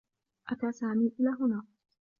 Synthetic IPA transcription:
ʔat̪aːsaːmiːʔɪlaːɦʊnaː

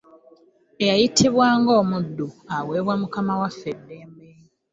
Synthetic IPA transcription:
ejajitʰiβwaːŋɡo̞ːmudːuawe̞ːβwamukamawafːedːeːmbeː | i

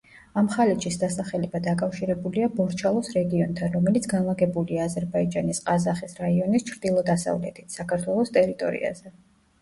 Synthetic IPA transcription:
amχalitt͡ʃisd̪asaχɛlɛbad̪akʼafʃiɾɛbuliabɔɾt͡ʃʰalˠɔsɾɛɡiɔnt̪ʰanɾɔmɛlit̪sʰɡanlˠaɡɛbuliaːzɛɾbaid͡ʒanisqʼazaχisɾaiɔnist͡ʃʰɾd̪ilˠɔd̪asa̰vlɛ̰t̪ʰit̪ʰsakʰaɾt̪ʰwɛlˠɔst̪ʼɛɾit̪ʼɔ̰ɾḭa̰z̥ɛ

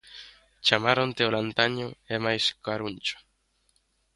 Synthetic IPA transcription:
t͡ʃamaɾont̪eolant̪aɲʊɛmajskaɾuɲʲt͡ʃʊ̥

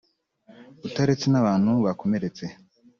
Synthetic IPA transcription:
utaɾet͡senaβaːn̥huβako̞me̞ɾe̞t͡se̞

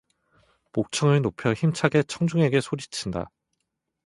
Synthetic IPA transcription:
pok̚t͡ɕʰʌŋɯɭnopʰjʌçimt͡ɕʰaɡe̞t͡ɕʰʌŋd͡ʑuŋe̞ɡe̞sʰoɾit͡ɕʰinda̰

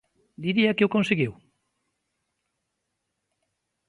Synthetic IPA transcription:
d̪iɾiɐkeʊkonseɣiw

